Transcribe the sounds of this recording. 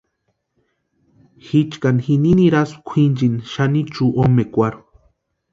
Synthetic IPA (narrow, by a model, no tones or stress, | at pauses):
xit͡ʃkanxininiɾaskʷʰind͡ʒinʃanit͡ʃuʔomekʷaɾu